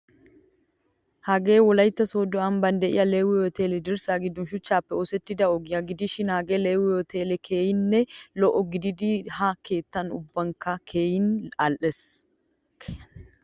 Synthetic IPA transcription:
hɐɡeːwɔlɐjt̪ːɐsoːd̪ʊɐmbɐnd̪ɛʔɪ̰jʔɐleːwɪjɔt̪eːlɛd̪ɪɾsaːɡɪd̪ːʊnʃʊt͡ʃːaːpːɛɔsɛt̪ːɪd̪ɐɔɡjɐɡɪd̪ɪʃɪnhɐɡeːleːwɪjɔt̪ʰeːlɛkʰeːjɪnːɛlɔʔɔɡɪd̪ɪd̪iːhake̞ːt̪ːɐnʊ̰bːɐŋkɐkʰeːjnɐlʔɛs

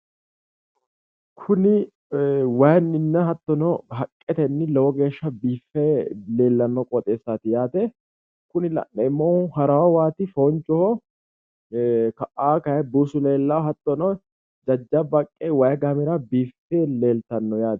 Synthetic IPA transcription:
kʰʊnɪ | wɐjnːɪnːɐɦɐt̪ːɔnɔɦɐkʼːɛt̪ɛnːɪlɛwɔɡe̞ːʃːɐbiːfːɛle̞ːlːɐnːɔkʼɔt̪ʼeːsːaːt̪ɪjaːt̪ɛ | kʊnɪlɐ̰ʔɛɪmːoːhɐɾɐwɐwaːt̪ɪfoːnt͡ʃʼːɔhɔ | kɐʔʔaːkɐjɛbuːsʊleːlːɐwɦɐt̪ːɔnɔ | d͡ʒɐd͡ʒːɐbɐkʼːɛwɐjɐɡamɪɾɐbiːfːeːle̞ːlt̪ɐnːɔjaːt̪

